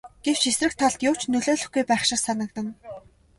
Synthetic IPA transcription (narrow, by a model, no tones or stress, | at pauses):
ɡ̥ew̥t͡ɕesrɘ̆k̚t̪ʰːaɮt̪jʊːwʰt͡ɕnɵɮoːɮɵ̆xɡujpæːχʃɪ̆rsanə̆kt̪ə̆n